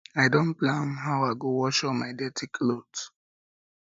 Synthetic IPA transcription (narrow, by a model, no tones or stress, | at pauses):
aɪdõnplãnɦaʊaɪɡowɔʃɔmaɪdɛtʰikʰlot